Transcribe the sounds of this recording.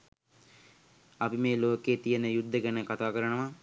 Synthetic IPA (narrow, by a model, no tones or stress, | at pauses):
ɐpimeːloːkeːt̪ijənəjud̪ʱːəɡənəkat̪aːkəɾənəʋa